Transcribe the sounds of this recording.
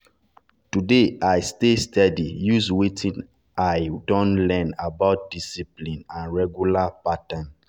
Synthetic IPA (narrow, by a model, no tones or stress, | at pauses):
tudeʔajstestɛdijuzwetʰĩn | ʔajdɔ̃nlɛ̃nabaʊt̚disiplĩnãnɹɛɡjulapatãn